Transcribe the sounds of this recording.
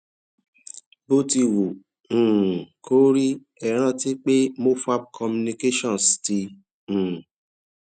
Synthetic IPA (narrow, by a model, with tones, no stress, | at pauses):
bo˦ti˧wũ˨ | kʰo˦ɾi˦ | ɛ˨ɾ̃ã˦˨ti˦k͡pe˦mo˦fu˦a˦p̚kʰɔ˧mũ˧ni˧ke˦ʃɔ̃˦˨sti˧ | ũ˨